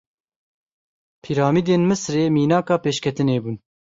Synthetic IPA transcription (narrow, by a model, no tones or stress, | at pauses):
pʰiːɾɑːmiːd̪eːnmɨsɾeːmiːnɑːkɑːpeːʃkʰɛt̪ɨneːbuːn